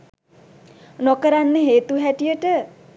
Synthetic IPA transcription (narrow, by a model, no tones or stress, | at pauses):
nɔkəɾanːeɦet̪uɦɛʈijəʈə